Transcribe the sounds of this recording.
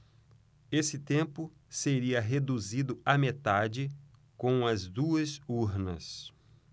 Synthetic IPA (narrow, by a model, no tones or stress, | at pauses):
esɪt̪ẽpʊ | seɾiɐɦed̪uzid̪ʊɐmet̪ad͡ʒɪkõw̃ɐzd̪uɐsuɾnɐ̰s